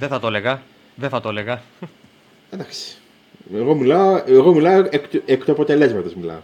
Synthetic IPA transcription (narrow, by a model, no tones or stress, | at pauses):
ðeθɐt̪oleɣɐ | ðeθɐt̪ole̞ɣɐ | end̪ɐksi̥ | eɣo̞milɐoeɣomilɐoekt̪ekt̪uɐpot̪e̞le̞zmɐt̪ɐzmilɐ̰o